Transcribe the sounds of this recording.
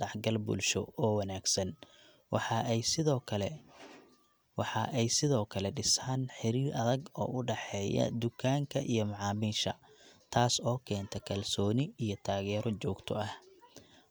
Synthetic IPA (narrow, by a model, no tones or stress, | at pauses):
ɑħɡɐlbṵːlʃɔɔːwɐnaːɡsɐn | wɑɑɪðʰl | wɑħɑʔɛjsɪðɔːkʰɐlɛɖɪsaːnħɪɾiːɾʔɐðɐɡɔ̰ːʔʊɖɑħɛːjɐ̰d̪ʊkʰaːŋkʰɐʔijɞmɑʕɑːmiːʃɐ | t̪ʰaːsɔːkʰɛːnt̪ʰɐkʰɐlsɔːnɪijɞt̪ʰaːɣɛːɾɔt͡ʃɔːɡt̪ʰɔɐh